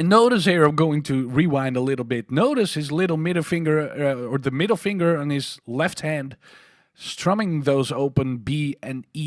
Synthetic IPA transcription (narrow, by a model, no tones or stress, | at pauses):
ɨnoʊɾɨziɹʌvɡoʊɪ̃ŋtʰɨɹiwãɪ̃ndəlɪɾl̩ˠbɪtⁿnoʊɾɨshɨzlɪɾl̩ˠmɪɾl̩ˠfɪ̃ŋɡə˞ə˞ðɨmɪɾl̩ˠfɪ̃ŋɡə˞ə̃nɪz̥lɛft̚hæ̃nd̥ | stʰɹ̥ʌ̃mɪ̃ŋðoʊzoʊpɨ̃nbiɨ̃ni